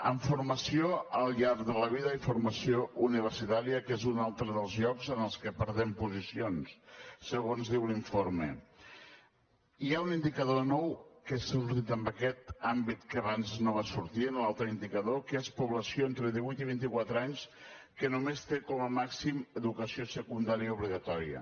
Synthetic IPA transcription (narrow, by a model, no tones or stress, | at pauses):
əɱfuɾməsioəlˠʎaɾkðələβ̞iðəifuɾməsiouniβ̞əɾsit̪aɾiəkezunalˠt̪ɾəðəlˠzʎɔkzənəlˠskəpəɾðɛmpuzisionssəɣonzðiwliɱfoɾmə̰ | iaunind̪ikəðonɔwkessuɾt̪it̪əmbəkɛt̪ambit̪kəβanznoβ̞asuɾt̪iənlalˠt̪ɾəind̪ikəðokespuβləsioent̪ɾəðiβujt̪iβint̪ikwat̪ɾəaɲs | kənumest̪ekɔməmaksiməðukəsiosəkund̪aɾiəuβliɣət̪ɔɾiə̰